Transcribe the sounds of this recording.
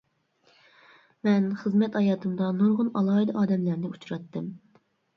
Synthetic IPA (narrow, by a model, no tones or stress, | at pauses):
mɛnχəzmɛt̪ɑjɑːt̪ʰɨmd̪ɑnoɾʁʊnɑlˠɑːid̪ɨʔɑːd̪ɛmlæɾnɪut͡ʃʰɾɑt̪ːɨm